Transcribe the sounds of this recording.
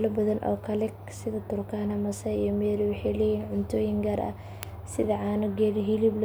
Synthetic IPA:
lɐbɐðɐnʔɔ̰ːkʰɐlɛk | sɪðɐt̪ʰʊrkʰaːnɐmɐsɐijɔmɛːlʊwɑħɛlɛjiːnʕʊnt̪ʰɔːjɪŋɡɐɾɐ̰ | sɪðɐʕaːnʊɡɛːɾɦilibl

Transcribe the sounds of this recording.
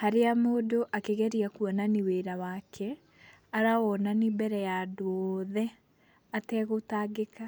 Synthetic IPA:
haɾeamoːdoʔakeɣɛɾiakuɔnaniweɾawakʰɛ | aɾawɔnanibɛɾɛjadoɔðɛ | atɛɣotaːɡeka

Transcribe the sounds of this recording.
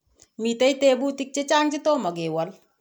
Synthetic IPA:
mit̪ɐjt̪eːbut̪ik̚t͡ʃet͡ʃaŋt͡ʃit̪omɐɡeːwɐl

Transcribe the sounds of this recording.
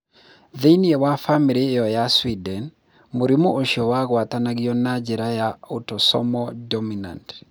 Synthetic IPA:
ðeiniewafamiɾijɔjaswidɛn | moɾimoʔoʃiɔwaɣwatanaɣiɔnad͡ʒɛɾajaotɔsɔ̰mɔdɔmina̰nt

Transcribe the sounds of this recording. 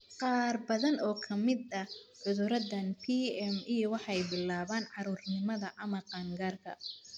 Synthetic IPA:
qɑːrbɐðɐnɔːkʰɐmɪd̪ɐʕʊðʊɾɐdɐnpʰiːɛmijɔwɑħɑjbɪlaːβaːnʕɑɾuːrnɪmɐðɐʔɐmɐqɑːŋɡaːrkʰɐ̰

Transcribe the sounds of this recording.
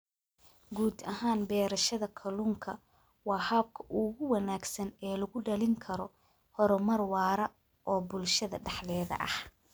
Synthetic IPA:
ɡuːd̪ɐɦaːnbɛːɾɐʃɐðɐkʰɐlʊːŋkʰɐ | wɑːhaːb̚kʰɐʔʊɣʊwɐnaːɡsɐnɛːlɐɣʊɖɐlɪŋkʰɐɾɔ | hɔɾɔmɐrwɑːɾɐ | ʔɔːbʊlʃɐðɐ̰ɖɑħlɛːðɐ̰ʔɐ̰h

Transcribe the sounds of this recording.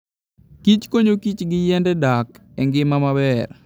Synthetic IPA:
kit͡ʃkoɲokit͡ʃɡɪjɛndɛdakɛŋɡɪmamabɛr

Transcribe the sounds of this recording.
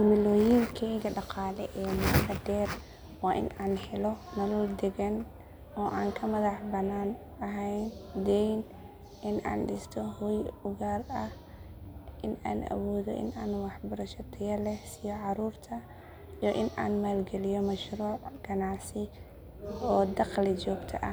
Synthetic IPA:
d̪ɪmɪlɔːjɪŋkʰɛɡɐɖɑqɑːlɛʔɛːmɐbɐd̪ɛːr | wɑːʔɪ̰naːnħɛlɔnɐlɔːld̪ɛɣɐn | ɔːʔaːŋkʰɐmɐðɑħbɐnaːn | ɐɦɛjnd̪ɛjn | ʔɪnʔa̰ːnɖɪst̪ʰɔhɔjʊɣaːlɐh | ʔɪna̰ːnʔɐ̰wɔːðɔʔɪ̰naːnwɑħbɐɾɐʃɐt̪ʰɐjɐlɛhsɪjɔʕɑɾuːrt̪ʰɐ | ijɔʔɪna̰ːnmaːlɡɛlɪjɔmɐʃruːʕɡɐnɑʕsɪ | ɔːd̪ɑqlɪd͡ʒɔːɡt̪ʰɐʔɐ

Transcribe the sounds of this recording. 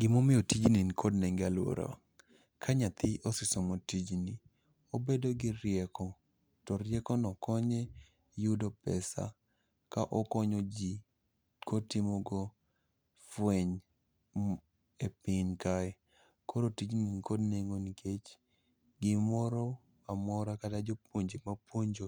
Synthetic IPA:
ɡ̥ɪmomɪjotid͡ʒninkʰodnɛŋɡalwo̰ɾo̰ | kʰaɲat̪ʰɪʔosɪsɔmotid͡ʒni | obedoɡɪɾjɛkɔ | tɔɾjɛkɔnɔkɔɲe | judopɛsa̰ | kaʔɔkɔɲod͡ʒi | kʰotɪmɔɡɔ | fweɲ | epɪnkaɛ | koɾotid͡ʒnikodneŋoniket͡ʃ | ɡɪmɔɾɔ | amɔɾakatad͡ʒop̚woɲd͡ʒemapwoɲd͡ʒo

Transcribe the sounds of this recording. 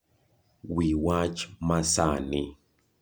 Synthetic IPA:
wiwat͡ʃmasani

